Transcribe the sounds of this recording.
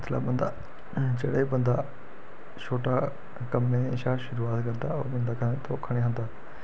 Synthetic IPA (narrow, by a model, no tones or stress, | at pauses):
t̪ʰla̰ːbə̃nd̪aː | d͡ʒeːɽaːibə̃nd̪aː | t͡ʃʰoːʈaː | kəmːẽːʃaːʃʊɾuːaːt̪kəɾd̪aːo̰bə̃nd̪aːkʰəneːt̪oːkʰəɽ̃eːɦãːnd̪aː